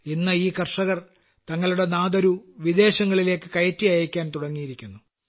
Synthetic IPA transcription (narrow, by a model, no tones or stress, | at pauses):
inːɐiːkɐrʂɐɣɐr | t̪ɐŋːɐɭuɽe̞naːd̪ɐɾuʋid̪e̞ːɕɐŋːɐɭile̞ːkːɨkɐjɐtːijɐjɐkʲːaːnt̪uɽɐŋːijiɾikʲːunːu